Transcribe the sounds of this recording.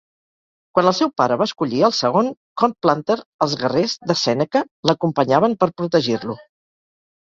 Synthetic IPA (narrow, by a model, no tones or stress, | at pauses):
kwanəlˠsɛwpaɾəβaːskuʎiəlˠsəɣ̞oŋkɔnplant̪əɾəlˠzɣərezd̪əsɛnəkə | ləkumpəɲaβəmpəɾpɾut̪əʒirlu